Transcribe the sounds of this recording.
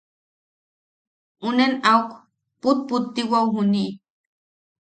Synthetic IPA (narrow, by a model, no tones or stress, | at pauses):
unenauk | put̪̚put̪ːiwauɦuniʔ